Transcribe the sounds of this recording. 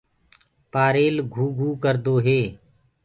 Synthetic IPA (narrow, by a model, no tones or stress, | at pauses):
paːɾeːlɡʱuːɡʱuːkəɾd̪oːɦeː